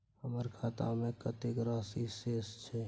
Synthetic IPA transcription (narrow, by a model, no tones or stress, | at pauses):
həməɾkʰaːt̪a̰mẽkət̪ekɾaːsiseːst͡ʃʰɛ